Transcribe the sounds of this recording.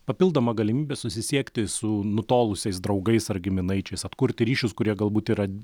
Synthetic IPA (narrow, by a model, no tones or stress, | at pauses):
pɐpʲɪlˠd̪ɐmɐɡɐlʲɪmʲiːbʲɛːsʊsʲɪsʲiɛkt̪ʲɪsʊnʊt̪oːlˠʊsʲɛɪsd̪ɾɐʊɡɐɪsɐɾɡʲɪmʲɪnɐɪt͡ʃʲɛɪsɐt̪kʊɾʲt̪ʲɪɾʲiːʃʲʊskʊɾʲiɛɡɐlˠbuːt̪iːɾɐ